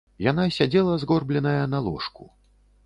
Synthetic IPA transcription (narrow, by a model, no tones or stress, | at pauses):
janasʲad͡zʲɛlˠɐzɣɔrblʲɛnɐjɐnalˠɔ̰ʂkṵ